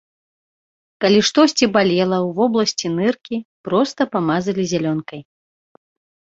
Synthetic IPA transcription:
kalʲiʂt̪ɔsʲt͡sʲibalʲɛlˠɐwvɔblˠɐsʲt͡sʲinɨrkʲipɾɔst̪ɐpamazɐlʲizʲalʲɔnkɐj

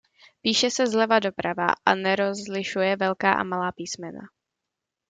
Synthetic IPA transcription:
piːʃɛsɛzlɛvado̞pɾava̰ʔanɛɾozlɪʃujɛvɛlkaːʔa̰malaːpiːsmɛna̰

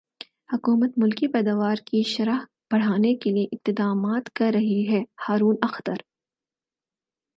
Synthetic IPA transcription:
hʊkuːmət̪mʊlkipɛːd̪aːʋaːɾkiʃɐɾaɦ | b̥ɐɽ̤aːnekelieʔɪmt̪ɪd̪aːmaːt̪kɐɾːɐɦiɦɛːhaːɾuːnɐxt̪əɾ

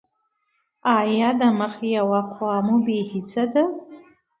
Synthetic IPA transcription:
aːjadamaχijawaqʷʰaːmubejħit͡sʰada

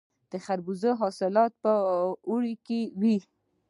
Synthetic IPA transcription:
d̪̥əxaɾbuzəɦɑsɪlɑt̪̚pəuɽikewi

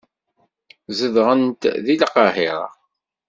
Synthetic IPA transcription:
zəðʁənt̪ðilqɑhɪɾˤɑ̰

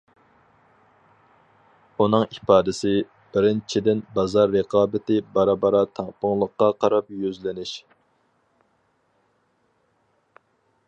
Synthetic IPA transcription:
unɨŋipɑːd̪ɪsɪ | b̥ɪɾɪnt͡ʃʰid̪ɪnbɑzɑɾːəqʰɑːbɪt̪ɪbɑɾɑbɑɾɑt̪ʰɑŋpʰəŋlˠəqːɑqʰɑɾɑpjyzlɪnɪʃ

